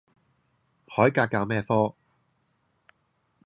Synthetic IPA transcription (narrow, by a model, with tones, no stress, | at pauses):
hɔː˨˥jkaː˧kːaː˧wmɛː˥˧fɔː˥